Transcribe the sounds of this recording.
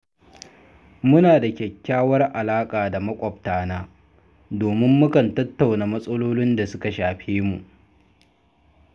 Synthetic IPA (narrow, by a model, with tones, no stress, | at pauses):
mʊ˦naː˨da˨kʲɛ˨kʲːaː˦wɐ˦rʔa˨laː˦kʼaː˨da˨mɐ˦kʷʼɐ˨ɸ̚taː˨naː˦ | doː˨mɪ˦mːʊ˦kɐ˨ntɐ˦tːa˨wnaː˨mɐ˦sʼɐ˦loː˦lɪ˦nda˨sʊ˦ka˨ʃaː˨ɸeː˦mu˨ʔ